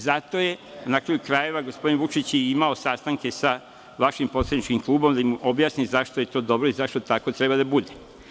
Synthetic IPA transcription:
zat̪o̞je̞nakɾajukɾaje̞ʋaɡo̞spod̪inʋut͡ʃit͡ɕjeimao̞saːst̪aŋke̞sa | ʋaʃimpo̞t̪sad̪nit͡ʃkimklˠuːbo̞md̪aimo̞bjaːsnizaʃt̪oje̞t̪o̞ːd̪o̞bɾo̞izaʃt̪ot̪ako̞t̪ɾe̞bad̪abud̪e

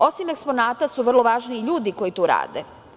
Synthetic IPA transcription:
o̞sime̞kspo̞naːt̪asuʋr̩lˠo̞ʋaːʒniːʎuːd̪iko̞jit̪oːɾa̰ːd̪e

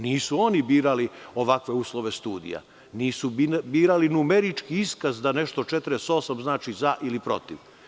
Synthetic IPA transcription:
niːsuo̞nibiːɾalio̞ʋakʋe̞uːslˠo̞ʋe̞st̪uːd̪ḭja̰ | niːsubiːɾalinumeɾit͡ʃkiiskazd̪ane̞ʃt̪o̞t͡ʃet̪ɾeso̞samznaːt͡ʃizaʔilipɾo̞̰t̪iʋ

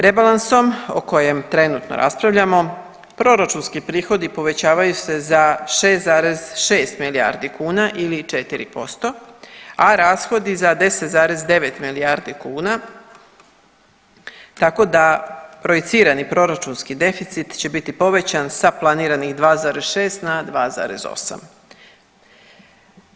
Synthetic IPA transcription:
pɾe̞balanso̞mo̰ko̞je̞mt̪ɾe̞nut̪no̰ɾa̰spɾaʋʎamo̞ | pɾo̞ɾat͡ʃunskipɾiːxo̞d̪ipo̞ʋe̞t͡ɕaːʋajuse̞zaʃe̞ːst̪zaːɾe̞z̥ʃe̞ːst̪milija̰ːɾd̪ikuːnaʔilit͡ʃe̞t̪iɾḭpo̞st̪o̞aɾaːsxo̞d̪izad̪e̞set̪zaːɾe̞zd̪e̞ʋe̞t̪milijaːɾd̪ikuːna | t̪ako̞d̪apɾo̞it̪siːɾanipɾo̞ɾat͡ʃunskid̪e̞fit̪sit̪t͡ɕe̞bit̪ipo̞ʋe̞t͡ɕansaplˠaniːɾanixd̪ʋaːzaːɾezʃe̞ːst̪nad̪ʋaːza̰ːɾe̞̰zo̞̰sa̰m

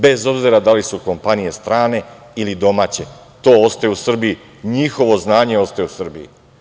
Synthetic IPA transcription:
be̞zo̞bziɾad̪alisuko̞mpanije̞st̪ɾaːne̞ | ilid̪o̞maːt͡ɕe̞ | t̪o̞ːost̪ajeusr̩biji | ɲixo̞ʋo̞znaːɲe̞o̞st̪ajeusr̩bḭjḭ

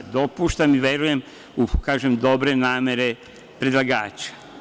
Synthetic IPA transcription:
d̪o̞puʃt̪amiʋe̞ɾuje̞m | ukaːʒemd̪o̞bɾe̞naːme̞ɾe̞ | pɾed̪lˠaɡaːt͡ʃḁ

